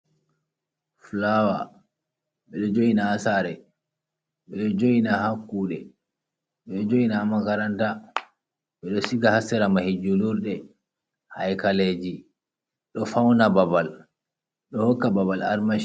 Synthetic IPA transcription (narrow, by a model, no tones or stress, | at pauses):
flawa̰ | ɓɛɗɔd͡ʒojinaːsaɾɛ | ɓɛɗɔd͡ʒojinahakːuːɗɛ | ɓɛɗɔd͡ʒojinaːmːakaɾanta | ɓɛɗɔsiɡahasːɛɾamahid͡ʒuluɾɗɛ | hajkaled͡ʒi | ɗɔfawnababal | ɗɔhɔkːababala̰ɾmaʃ